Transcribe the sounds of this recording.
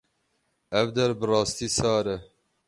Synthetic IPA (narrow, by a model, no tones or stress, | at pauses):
ɛvd̪ɛɾbɨrɑːst̪iːsɑːɾɛ